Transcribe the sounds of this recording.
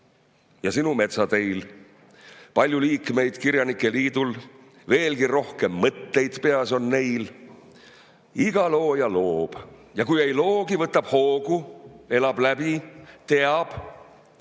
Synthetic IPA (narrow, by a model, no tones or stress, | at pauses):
jɑsinume̞t̪sɑt̪e̞jl | pɑlʲjuliːkme̞jd̪̥kiɾjɑnikːˑe̞liːd̪̥ul | ve̞ːlɡiro̞hke̞mːɤt̪ːe̞jd̪̥pe̞ɑso̞nne̞jl | iɡ̥ɑlo̞ːjɑlo̞ːb̥jɑkujejlo̞ːɡivɤt̪ːˑɑb̥ho̞ːɡ̥ue̞lɑb̥læbit̪e̞ɑb̥